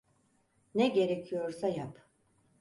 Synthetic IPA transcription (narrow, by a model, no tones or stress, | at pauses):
nɛɟe̞ɾecʰijo̞ɾsajap